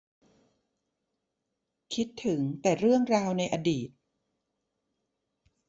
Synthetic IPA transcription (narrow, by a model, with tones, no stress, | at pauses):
kʰi˦˥t̪ʰːɯ˩˦ŋt̪ɛː˨˩ɾɯ˥˩əŋɾaː˧wna˧jʔaː˧diː˨˩t̪̚